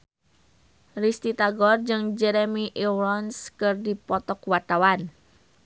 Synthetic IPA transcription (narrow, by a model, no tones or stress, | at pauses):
rist̪it̪aɡɔrd͡ʒɨŋd͡ʒɛɾemiʔiɾɔnskɨrdipɔt̪ɔkwat̪awan